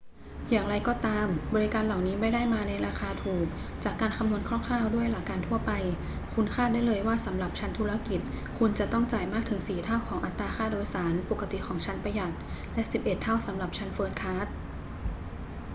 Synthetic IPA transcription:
jaː˨˩ŋɾa˧jkɔː˨˩t̪aː˧mbɔː˧ɾi˦˥kaː˧nla˨˩wniː˦˥ma˥˩jdaː˥˩jmaː˧na˧jɾaː˧xʰaː˧t̪ʰuː˨˩k̚ | t͡ɕaː˨˩kːaː˧nkʰa˧mnu˧ənkʰɾɔː˥˩ŋkʰlaː˥˩wdu˥˩əjlaː˨˩˥kːaː˧nt̪ʰu˥˩ɐpa˧j | kʰu˧nkʰaː˥˩t̪̚daː˥˩jlɤː˧jwaː˥˩sa˩˦mɾa˨˩p̚t͡ɕʰa˦˥nt̪ʰuː˧˥ɾa˧ki˨˩t̪̚ | kʰu˧nt͡ɕa˨˩t̪ɔ˥˩ŋt͡ɕaː˨˩jmaː˥˩k̚tʰɯ˩˦ŋsiː˨˩t̪ʰaː˥˩wkʰɔː˩˦ŋʔa˨˩t̪ːaː˧xʰaː˥˩doː˧jsaː˩˦npo˨˩kʰːa˧t̪i˨˩kʰɔː˩˦ŋt͡ɕʰa˦˥npa˧ja˨˩t̪̚ | lɛ˦˥si˨˩p̚ʔe˨˩t̪ʰːa˥˩wsa˩˦mɾa˨˩p̚t͡ɕʰa˦˥nfɤː˦˥t̪̚kʰaː˦˥t̪̚

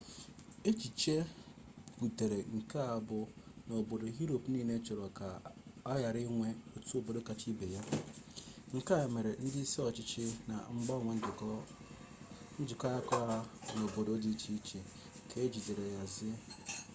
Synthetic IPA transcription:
e˦t͡ʃi˨t͡ʃe˦ | ku˨te˨ɾe˨ŋ̩˨ka˦a˨bʊ˨no˨bo˨do˨ɦi˦ɾo˨pniː˦˨ne˦t͡ʃʊ˨ɾo˨ka˨ɔ˦ja˨ɾɪ˦ŋʷe˦o˨tu˦o˦bo˨do˦ka˨t͡ʃi˦be˨ja˦ | ŋ̩˨ka˦e˨me˨ɾe˨n̩˦dɪ˦se˦ɔ˨t͡ʃɪ˦t͡ʃɪ˦na̰˨ŋ͡m̩˦ɡ͡bɔ˦˨ŋʷe˨n̩˦˨ | n̩˦d͡ʒɪ˨kːja˦kɔ˦a˦no˨bo˨do˨˦o˦di˦t͡ʃi˦t͡ʃe˨ | kʰe˨e˦d͡ʒi˨de˨ɾe˨ja˨zɪ˦

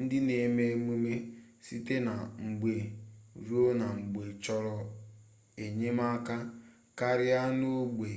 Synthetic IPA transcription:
n̩˦dɪ˦ne˨˦˨me˦mu˦me˦ | si˦te˦na˨ŋ͡m̩˨ɡ͡be˨ɾu˦o˦na˨ŋ͡m̩˨ɡ͡be˨t͡ʃɔ˦ɾɔ˨ | e˨ɲe˦ma˦ka˦ | ka˦ɾɪ˦a˦no˦ɡ͡be˨

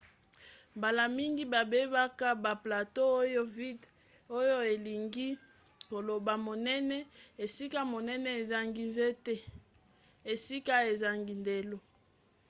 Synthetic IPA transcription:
mba˨la˨mi˦ŋɡi˦ba˨be˦ba˦ka˦ba˨pla˨to˦o˦jo˦vi˦d | o˦jo˦e˨li˨ŋɡi˦ | ko˨lo˨ba˨mo˨nɛ˦nɛ˦e˨si˦ka˦mo˨nɛ˦nɛ˦e˨za˦ŋɡi˨nzɛ˦tɛ˦ | e˨si˦ka˦e˨za˨ŋɡi˨nde˨lo˦

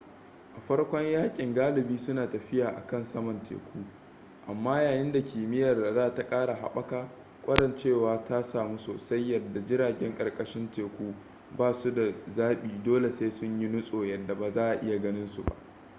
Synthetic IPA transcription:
ʔa˨ɸɐ˦ɽkʷɔ˦ɲjaː˦kʲʼɪ˨ŋɡaː˦lɪ˨biː˦sʊ˦naː˨tɐ˨ɸɪ˦jaː˨ʔa̰˨kɐ˦˨nsɐ˦mɐ˨ntʰḛ˨kʷuː˦ | ʔa˨mːaː˦jaː˨jɪ˦nda˨kʲiː˨mɪ˦jɐ˨rzaː˦ta˦kʼaː˦ɽa˨ɦa̰˦˨ɓɐ˦kaː˦ | kʷʼɐ˦ɽɐ˨nt͡ʃeː˦˨waː˨˦ta˦saː˨mu˦soː˨sɐ˦jːɐ˨dːa˨d͡ʒɪ˦ɽaː˨ɡʲɛ˦ŋkʼɐ˨rkʼɐ˦ʃɪ˦nteː˨kʷuː˦ | baː˦su˦da˨zaː˦ɓiː˨doː˦le˨se˦sʊ˦ɲji˦nʊ˦sʼoː˨jɐ˨dːa˨baː˨zaː˦ʔa˨ʔɪ˦ja˨ɡɐ˦nɪ˦nsu˨ba̰˦ʔ

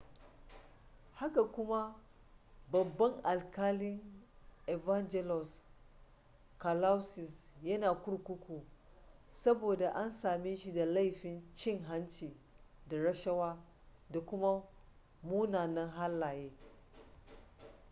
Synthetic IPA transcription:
ha˦ka˨kʷʊ˦ma˦ | bɐ˨bːɐ˦ŋʔa˨lkaː˦lɪ˦ŋʔe˨va˦nd͡ʒɛ˦lɔ˨s | ka˨la˦wsɪ˨sjɐ˦naː˨kʷʊ˦ɾkʷʊ˦kʷuː˨ | sɐ˦boː˨da˨ʔa˦nsaː˨mi˦ʃi˨da˨la˦jɸɪ˨nt͡ʃɪ˦ŋɦa˦nt͡ʃiː˨ | da˨ɾɐ˦ʃɐ˦waː˦ | da˨kʷʊ˦ma˦ | muː˦naː˨nɐ˦ŋɦa˦lːaː˨jeː˦

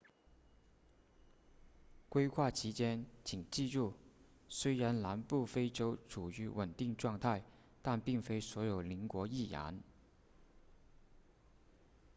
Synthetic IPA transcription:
kwe˥ɪxʰwa˥˩t͡ɕʰi˧˥t͡ɕjɛ˥nt͡ɕʰi˨˩ŋt͡ɕi˥˧ʈ͡ʂu˥˩ | swe˥ɪɻa˧˥nla˧˥npu˥˩fe˥ɪʈ͡ʂo˥ʊʈ͡ʂʰu˨˩y˧˥wə˨˩nt̪i˥˧ŋʈ͡ʂwɑ˥˧ŋt̪ʰa˥˧ɪ | t̪a˥˧npi˥˩ŋfe˥ɪswɔ˧˥jo˨˩ʊli˧˥ŋkwɔ˧˥i˥˩ja̰˧˥n

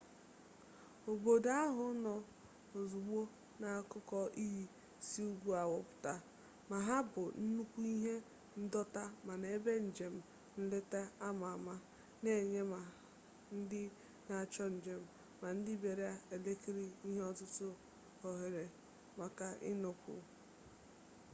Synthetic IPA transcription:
o˨bo˨da˦ɦʊ˨˦nɔ˨ | o˨zu˨ɡ͡bo˦ | na˨kʊ˦kɔ˦ʔi˦ɦi˦ | si˦u˦ɡʷu˦a˨wɔ˨pʊ̥˨ta˦ | ma˨ɦa˦bʊ˨n̩˦nu˦kʷu˦i˦ɦe˦ | n̩˦dɔ˦ta˦ma˨ne˨˦be˦n̩˨d͡ʒe˨m̩˨ | n̩˦le˦te˦a˦ma˨ma˦ | ne˨ɲe˦ma˨ | n̩˦dɪ˦ | na˨t͡ʃɔ˦n̩˨d͡ʒe˨m̩˨ | ma˨n̩˦dɪ˦be˨ɾe˦a˦e˨le˦ki˦ɾi˦i˦ɦe˦ɔ˦tʊ˦tʊ˦ | o˨ɦe˨ɾe˨ | ma˨ka˨ʔɪ̰˦nʊ˨kʷʊ̰˨

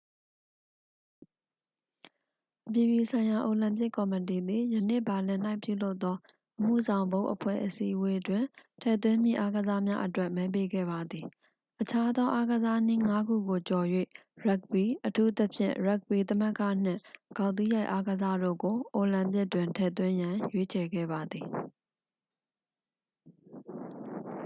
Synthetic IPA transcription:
ʔəp̬ji˨bi˨sʰã˨ɪ̃ja˨ʔo˨lã˨mp̬jɪ˦kːɔ˨mət̬i˨d̪i˨jə˨nḛ˦˨ba˨lɪ̃˨n̥a˦ɪpjṵ˦˨lo˦ʊt̪ːɔ˦ | ʔəm̥ṵ˦˨zã˨ʊ̃mbõ˦ʊ̃ʔəpʰwɛ̰˦˨ʔəsḭ˦ʔwe˦dwɪ̃˨tʰɛ̰˦˨t̪̬wɪ̃˦mjḭ˦˨ʔa˦ɡəza˦mja˦ʔətwɛ˦ʔmɛ˦p̬e˦ɡɛ̰˦˨ba˨d̪ði˨ | ʔət͡ɕʰa˦d̪ɔ˦ʔa˦ɡəza˦n̥i˦ŋa˦ɡṵ˦˨ɡo˨t͡ɕɔ˨jwḛ˦˨ɹa˦k̚bi˨ʔətʰu˦t̪ə˦pʰjɪ̰̃˦˨ɹa˦k̚bi˨t̪̬ə˦mə˦kä̰˦˨n̥ɪ̰̃˦˨ɡ̥ã˨ʊ̃t̪i˦ja˦ɪʔa˦ɡəza˦do̰˦˨ɡo˨ʔo˨lã˨mp̬jɪ˦tːwɪ̃˨ntʰɛ̰˦˨t̪̬wɪ̃˦jã˨jwe˦t͡ɕʰɛ˨ɡɛ̰˦˨ba˨d̪i˨

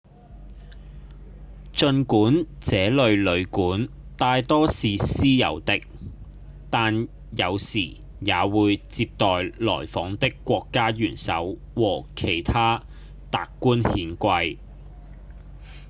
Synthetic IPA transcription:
t͡ʃɵ˧nkuː˨˥nt͡sɛː˨˥lɵ˨˧ɥlɵ˨˧ɥkuː˨˥n | t̪aː˧jt̪ɔː˥siː˨siː˥jɐ̰˨˧wt̪ɪ˥k̚ | t̪aː˨n | jɐ˨˧wsiː˨˩ | jaː˨˧wuː˨˧jt͡siː˧p̚t̪ɔː˨jlɔ̰ː˨˩jfɔː˨˥ŋt̪ɪ˥kːʷɔː˧kːaː˥jyː˨˩nsɐ̰˨˥w | wɔː˨˩kʰe˨˩jt̪ʰaː˥ | t̪aː˨˧kːuː˥nhiː˨˧nkʷɐ˧j

